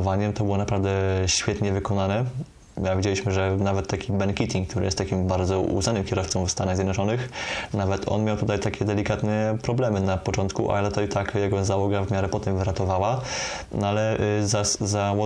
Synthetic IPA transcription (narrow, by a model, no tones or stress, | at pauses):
vaɲɛmt̪ɔbɘwɔnapɾavd̪ɛɕfʲjɛt̪ɲɛvɘkɔnanɛ | avʲid͡ʑelʲiɕmɘʐɛnavɛt̪ːakʲibɛŋkʲit̪ʲiŋk̚t̪uɾɘ̰ɛst̪ːakʲimbaɾd̪zɔṵznanɘmkʲɛɾɔft̪sɔ̃mfst̪anaɣzʲjɛd̪nɔt͡ʂɔnɘxnavɛt̪ʰɔ̰nmʲjawt̪ut̪ajt̪akʲɛd̪ɛlʲikat̪nɛpɾɔblɛmɘnapɔt͡ʂɔnt̪kṵʔa̰ɛt̪ut̪ajt̪akjaɡɔzawɔɡavmʲjaɾɛpɔt̪ɛmvɘɾat̪ɔvawa | nalɛzazawɔ